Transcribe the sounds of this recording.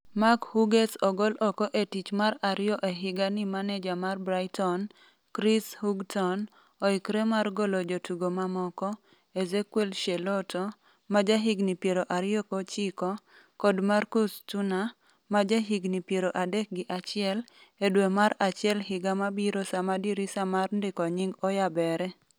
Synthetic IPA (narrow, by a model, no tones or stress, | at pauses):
makhuɡesɔɡɔlɔkɔʔetit͡ʃmaɾaɾɪjɔʔeɦɪɡanimanɛd͡ʒamarbɾajtɔn | kɾishuɡtʰɔn | oikɾemarɡɔlɔd͡ʒotuɡomamɔkɔ | ezekwelʃelɔtɔ | mad͡ʒaɦiɡnipjeɾoʔaɾɪjɔkot͡ʃikɔ | kɔdmarkustuna | mad͡ʒaɦiɡnipjeɾoʔadɛk̚ɡɪʔat͡ʃɪɛledwemaɾat͡ʃɪɛlɦɪɡamabiɾosamadiɾisamarndɪkɔɲiŋɡɔjabɛɾɛ